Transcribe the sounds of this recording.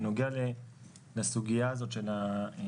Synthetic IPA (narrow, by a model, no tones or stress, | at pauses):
noɡeale | lasuɡijaːzo̞t̪ʃe̞la